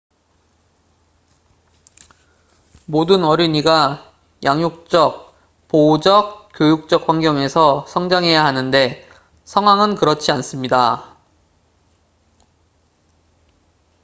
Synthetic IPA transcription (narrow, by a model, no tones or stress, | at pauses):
modɯnʌɾiɲiɡa | jʔaŋjok̚t͡ɕ͈ʌk̚ | poud͡ʑʌk̚k͈jojuk̚t͡ɕ͈ʌk̚hɸaŋɡjʌŋe̞sʰʌsʰʌŋd͡ʑaŋɦe̞jaɦanɯnde̞ | sʰʌŋɦwaŋɯnkɯɾʌt͡ɕʰians͈ɯmɲida